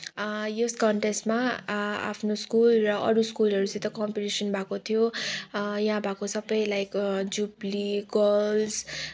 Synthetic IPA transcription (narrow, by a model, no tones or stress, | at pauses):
joskʌɳʈesʈmaa̰pʰnoskulrʌʔʌ̰ɾuskulʌɾut͡sʌ̃ĩt̪ʌkʌmpiʈisʌnbʱakot̪ʰijo | jʌɦãbʱakosʌbʌjlajkd͡zubliɡʌls